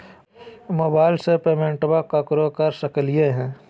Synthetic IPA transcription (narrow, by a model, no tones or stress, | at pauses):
moːbaːɪlsepeːmẽɳʈbakakɾokɐɾsɐklieɦɛ̃ː